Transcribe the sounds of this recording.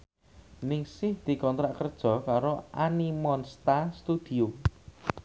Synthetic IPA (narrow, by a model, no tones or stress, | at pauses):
nɪŋsɪhd̪̥i̤kɔnt̪ɾaʔkərd̥ʒ̥ɔ̤kaɾoʔanimɔnst̪ast̪ud̪̥i̤o